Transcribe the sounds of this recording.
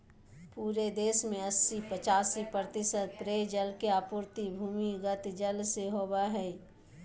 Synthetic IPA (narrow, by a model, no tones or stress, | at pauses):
puːɾed̪eːsmẽɐsːipət͡ʃaːsipɾt̪ɪsəd̪̚pɾeːd͡ʒəlkeaːpʊːɾt̪ibʱuːmiɡət̪d͡ʒəlseɦoːbaɦɛː